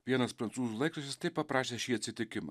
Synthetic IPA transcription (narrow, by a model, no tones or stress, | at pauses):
ʋʲiɛnɐspɾɐnsuːzulˠɐɪk̪ɐʃʲɛst̪ɛpɐpɾaːʃʲɛʃiɛt̪sʲɪt̪ʲɪkʲɪmɐ̰